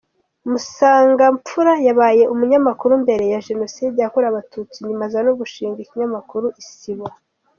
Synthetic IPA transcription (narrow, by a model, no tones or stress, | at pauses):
musaːŋɡamp͡fuɾajaβaːje̞ʔumuɲamakuɾumbe̞ɾe̞jaʒe̞no̞sidejakuɾaβatʰut͡siɲimazanoɡuʃiːŋɡaiciɲamakuɾuʔisiβa